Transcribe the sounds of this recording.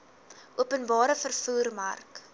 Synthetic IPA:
ʔuəpənbɑːɾəfərfuːrmɐ̰rk

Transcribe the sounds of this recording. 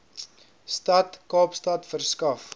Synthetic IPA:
stɐtkɑːpstɐtfərskɐf

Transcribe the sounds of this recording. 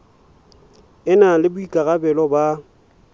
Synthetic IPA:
ɪnalɪbʊikʼaɣabɛlɔba

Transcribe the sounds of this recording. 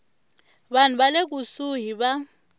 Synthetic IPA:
ɓan̤uɓalek̬usuɦiɓa

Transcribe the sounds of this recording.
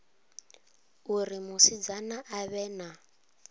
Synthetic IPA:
urimusid͡zanaʔaβɛːna

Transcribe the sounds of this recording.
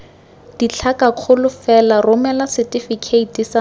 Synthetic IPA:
d̥it͡ɬʰakaq͡χʰʊlʊfɛlarʊmɛlasɛtʼifikʰeitʼisa

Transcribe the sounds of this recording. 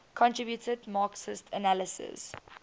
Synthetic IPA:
kʰɔ̃ntʰɹibjutʰədmɑːksɪstʰənaləsɪ̰z̥

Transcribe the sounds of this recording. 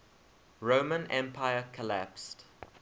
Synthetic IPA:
ɹõmə̃nɛ̃mpʰaɪəkʰɔlæ̰pst

